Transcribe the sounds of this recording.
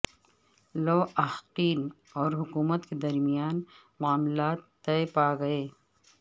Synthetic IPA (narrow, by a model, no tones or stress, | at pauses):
loːɐhqiːn | ɔːɾɦʊkuːmət̪ked̪ɐɾmijaːn | maːmlaːt̪ːɐepaːɡɐeː